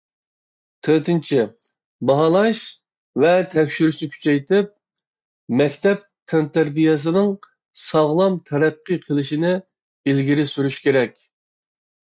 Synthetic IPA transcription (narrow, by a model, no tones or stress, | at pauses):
t̪ʰøt̪ɪnt͡ʃʰɪ | bɑɦɑlˠɑʃ | vɛt̪ʰɛkʲʃyɾyʃnɪkʲʰy̥t͡ʃʰɛjt̪ɪp̚ | mɛkʲt̪ʰɛp̚t̪ʰnt̪æɾbijɛs̬ɪnɪŋ | sɑʁlˠɑmt̪ʰɛɾɛpːəqʰəlˠɪʃinɪ | ilɡʲiɾɪsyɾyʃkʲeɾɛkʲ